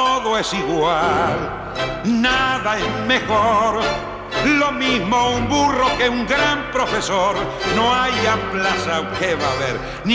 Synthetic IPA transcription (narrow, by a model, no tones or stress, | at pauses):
oðo̞e̞siɣwal | naðaezme̞xoɾ | lo̞mizmoumburo̞ke̞uŋɡɾampɾo̞fe̞so̞ɾ | no̞ajaplasawkeβaβḛɾ | n